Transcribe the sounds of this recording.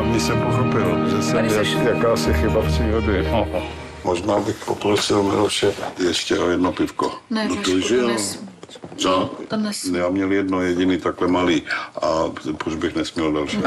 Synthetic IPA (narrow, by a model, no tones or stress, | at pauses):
amɲɪsɛmpoxopɪlʒɛsɛmajakaːsɪxɪbapr̥iːɾodɪ | mʔoʒnaːbɪxpopɾosɪlmɪ̰lfʃɛjɛʃcɛʔojɛdnopɪfkoot̪ɛʒɪ | ja | jaːmɲɛljɛdnojɛɟɪniːt̪aklɛmaliːʔapɾod͡ʒbɪxnɛsmɲɛldalʃi